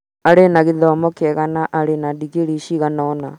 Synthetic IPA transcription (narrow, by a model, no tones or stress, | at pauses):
aɾenaɣiðɔːmɔkɛɣanaʔaɾenadiɣeɾiʃiɣanɔna